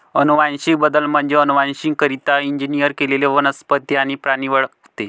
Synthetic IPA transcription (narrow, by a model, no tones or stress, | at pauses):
ənuʋanɕik̚bəd̪əlm̤əɳd͡zeənuʋanɕiŋkkəɾit̪aiɲd͡ʑinijəɾkeleleʋənəspət̪ːjañipɾaɽ̃iʋəɭ | t̪e